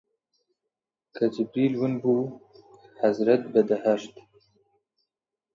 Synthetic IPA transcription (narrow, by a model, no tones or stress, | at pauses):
kad͡ʒɪbɾilwunbu | hazɾat̪̚bad̪ahaʃt̪